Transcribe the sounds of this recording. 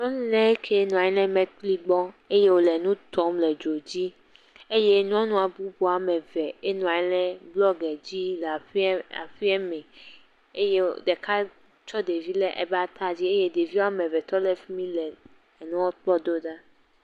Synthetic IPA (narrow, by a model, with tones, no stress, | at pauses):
nɔ̃˦nĩ˦lɛ˦e˦kʰe˦nɔ̃˨a˨ɛ˦lɛ̃˦mɛ̃˦k͡pli˦ɡ͡bɔ˦e˦je˦wo˨lɛ˨nũ˦t̪ɔ˦mlɛ˨d͡ʒo˨d͡ʑi˦ | e˦je˦n˦ɔ̃˦nũ˦a˨bu˦bo˨a˨mɛ̃˨vɛ˨e˦nɔ̃˨a˨jɛ˦lɛ̃˦blɔ˦ɡɛ˨d͡ʑi˦la˨˦a̰˨fi˦ɛ˦mɛ̃˨ | e˦je˦˨dɛ˨ka˦ | t͡ʃɔ˦de˨vi˦lɛ˦ʔɛ̰˨ba˨t̪a˦d͡ʑi˦e˦je˦de˨vi˦wa˦mɛ̃˨vɛ˨t̪ɔ˦lɛ˨fi˦mĩ˦lɛ˨ | nũ˦wɔ˦tɔ˦d̪o˦da˦